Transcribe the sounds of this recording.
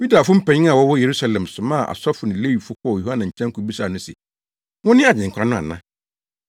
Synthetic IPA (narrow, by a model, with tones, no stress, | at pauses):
ju˦da˨fʊ˦m̩˦pʰɛ̃˨ɲɪ̃˦a˨wɔ˦wɔ˦je˨ɾu˦sa˦lɛ̃˨msʊ̃˨mã˦˨ʔa̰˨sɔ˦fʊ˨nɪ̃˨le˦wi˨fʊ˦kʰɔ˦ɔ˨u˨ha˦nã˨ɲ̩˨t͡ɕʰɛ̃˦ŋ˦kʰʊ˨bi˦sa˨nʊ̃˦sɛ̰˨ | ŋʊ̃˦nɪ̃˦a˨d͡ʑɪ̃˨ŋ̩˨kʰã˨˦nʊ̃˦˨a̰˨nã˦